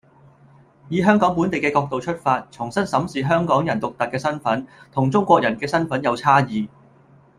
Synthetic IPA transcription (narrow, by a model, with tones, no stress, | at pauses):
jiː˨˧ɦœː˥ŋkɔː˨˥ŋp̬u˨˥nt̪e˨jkɛː˧kɔː˧k̚t̪o˨wt͡ʃʰɵ˥t̚faː˧t̚t͡sʰʊ˨˩ŋsɐ˥nsɐ˨˥msiː˨˩ɦœː˥ŋkɔː˨˥ŋjɐ˨˩nt̪ʊ˨k̚t̪ɐ˨k̚kːɛː˧sɐ˥nfɐ˨˥nt̪ʰʊ˨˩ŋt͡sʊ˥ŋkʷɔː˧k̚jɐ˨˩nkɛː˧sɐ˥nfɐ˨˥njɐ˨˧wt͡sʰaː˥jiː˨˧